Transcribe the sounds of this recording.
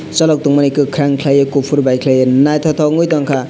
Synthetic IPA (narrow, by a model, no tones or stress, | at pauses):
t͡ʃʌlɔk̚tuŋmanikɯkʰɾaŋkʰlajekopʰuɾbajkʰlajenajt̪ʰɔt̪ʰɔŋɯjtɔŋkʰa